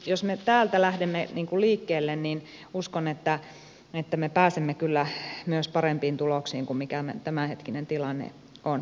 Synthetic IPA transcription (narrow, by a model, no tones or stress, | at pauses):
josmet̪æːlt̪ælæhdemːeniːŋkuliːkːeːlːennin | uskonet̪ːæ | et̪ːæmepæːsemːekylːæmyøspɑrempiːnt̪uloksiːŋkummikæmḛt̪æmæhet̪kinent̪ilɑnːḛ | on